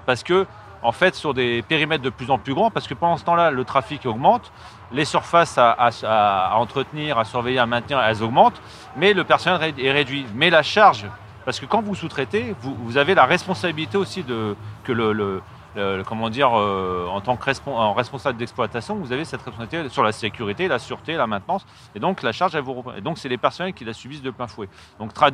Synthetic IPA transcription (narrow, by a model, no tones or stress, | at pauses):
paʁsə̥kə | ɑ̃fɛt̪syʁd̪epeʁimɛt̪̚d̪əplyzɑ̃plyɡʁɑ̃paʁsə̥kəpɑ̃d̪ɑ̃sə̥t̪ɑ̃lalət̪χafikɔɡmɑ̃t̪ | lesyʁfasaʔasaɑ̃t̪χət̪niʁasyʁvɛjeʁamɛ̃t̪niʁɛlzɔɡmɑ̃t̪ | mɛləpɛʁsɔnɛleɛʁed̪ɥimɛlaʃaʁʒ | paʁsə̥kəkɑ̃vusut̪χɛt̪evuvuzavelaʁɛspɔ̃sabilit̪eosid̪əkələlə | ləkɔmɑ̃d̪iʁøɑ̃t̪ɑ̃kʁɛspʁɛspɔ̃sabləd̪ɛksplwat̪asjɔ̃vuzavesɛt̪χʁɛsɔ̃sait̪esyʁlasekʲyʁit̪elasyʁt̪elamɛ̃t̪nɑ̃s | ed̪ɔ̃klaʃaʁʒɛlvuʁəpχḭḛd̪ɔ̃ksɛlepɛʁsɔnɛlkʲilasybisd̪əplɛ̃fwɛ | d̪ɔ̃k̚t̪χad